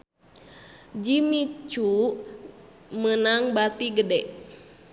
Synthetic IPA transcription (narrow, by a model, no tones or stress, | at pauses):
d͡ʒimit͡ʃuʔ | mənaŋbat̪iɡədɛʔ